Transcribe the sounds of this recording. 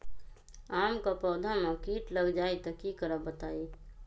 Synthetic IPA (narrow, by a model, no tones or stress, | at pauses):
aːmkapɔːd̪ʱamãkiːʈləɡd͡ʒaːit̪əkikəɾəbət̪aːi